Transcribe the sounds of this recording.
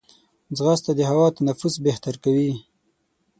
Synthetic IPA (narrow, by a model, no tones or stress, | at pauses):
d͡zɣast̪ad̪əɦawɑt̪anafusbeht̪aɾkawi